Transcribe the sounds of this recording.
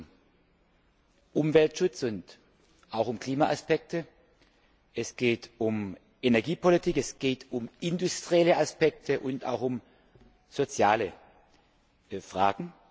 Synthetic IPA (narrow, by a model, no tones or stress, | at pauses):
ʔʊmvɛltʃʊt͡sʊnt | ʔaʊxʊmkl̥iːmaʔaspɛk̚tʰə | ɛsɡ̥eːtʊm | ʔenɛɐɡiːpʰolitʰiːkɛsɡ̥eːtʰʊmɪndʊstʁ̥iɛləaspɛk̚tʰəʔʊnta̰ʊxʊm | z̥ot͡sjaːlə | fʁ̥aːɡŋ̩